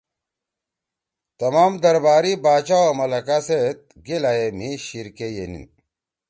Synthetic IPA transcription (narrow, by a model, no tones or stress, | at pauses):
t̪ɐmaːmd̪ɐɾbaːɾibaːt͡ɕawomɐlɐkaset̪̚ | ɡelajemiɕiɾkejenḭn